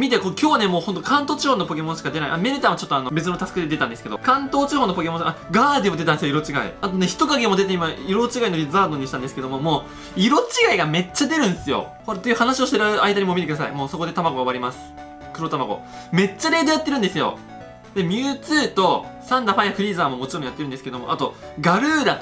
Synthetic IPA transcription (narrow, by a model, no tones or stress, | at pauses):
mʲit̪ekokʲo̞ːβanemo̞ːhont̪̬o̞kãnt̪o̞ːt͡ɕiho̞ːnːo̞po̞ke̞mõ̞ɕi̥kad̪eaḭʔame̞ɾɯ̟t̪aːmot͡ɕo̞t̪ːoano̞be̞t͡s̬ɨno̞t̪asɨ̥kɯ̟d̪ed̪e̞t̪ãnd̪e̞sɨke̞d̪o̞̰kãnt̪o̞ːt͡ɕiho̞nːopo̞kemõɕaɡaːd̪emo̞d̪e̞t̪and̪esjoiɾo̞t͡ɕiɡa̰ḭat̪o̞ne̞çi̥t̪o̞kaɡemo̞d̪e̞t̪eimaiɾo̞t͡ɕiɡainoɾʲizaːd̪oɲ̟iɕi̥t̪ãnd̪esɨ̥ke̞d̪o̞mo̞mo̞ː | iɾo̞t͡ɕiɡaiɡame̞t͡ɕːad̪e̞ɾɯ̟̃nsɨjo̞̰ | ho̞ɾat̪ojɯ̟hanaɕio̞ɕi̥t̪eɾaɯ̟aid̪aɲ̟imomit̪ek̟d̪asa̰ḭmoːso̞ko̞d̪e̞t̪amaɡo̞ɡaβaɾʲimasɨ̥ | kɯ̟ɾo̞t̪amaɡo̞̰ | me̞t͡ɕːaɾe̞ːd̪o̞jat̪ːeɾɯ̟nd̪esɨjo̞̰ | d̪e̞mʲɨːt͡sɨːt̪o̞sãnd̪aɸajakɯ̟ɾʲiːzaːmo̞mo̞t͡ɕiɾomijat̪ːeɾɯ̟nd̪esɨ̥ke̞d̪o̞mo̞̰ʔat̪o̞ | ɡaɾɯːd̪a